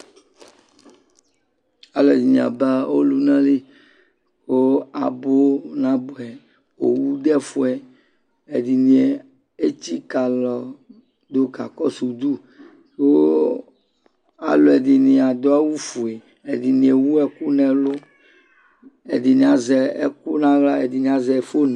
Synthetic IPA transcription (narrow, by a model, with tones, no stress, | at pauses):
a˨lo˨e˨di˨ɲ̃˨a̰˨ba˦o̰˦lu˦nã˦li˦ | o˦a̰˨bo˦nã˦bo˨ɛ˨ | o̰˨wu˦ɖɛ˦fo˦ɛ˨ | e˨di˨nĩ˨e˨ | e˦t͡ɕi˦ka˨lɔ˨ | d̪o˦ka˨kɔ˦su˨d̪u˦ | ko˦ | a̰˨lo˨e˨di˨nĩ˨a˨d̪ɔ˦a˦wu˦fu˨e˨ | e˨di˨nĩ˨e˨wu˦ɛ˨ku˦nɛ̃˨lo˦ | ḛ˨di˨nĩ˨a˨zɛ˨ḛ˨ku˦nã˦ɣla˦e˨di˨nĩ˨a˨zɛ˨fo˦n˨